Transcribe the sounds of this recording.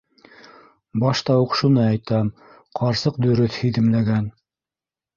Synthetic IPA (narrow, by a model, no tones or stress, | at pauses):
bɑʃt̪ɑwuqʃunɤɑjt̪ɑm | qʰɑɾsɤqd̪ɵ̆ɾɵθhɵ̆ðɘ̆mlæɡæn